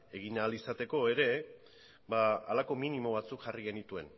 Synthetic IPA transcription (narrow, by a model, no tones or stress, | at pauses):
e̞ɣ̞iɲaːlisat̪e̞ko̞e̞ɾe̞ | baalako̞minimo̞β̞at͡sukʝariɣe̞nit̪ue̞n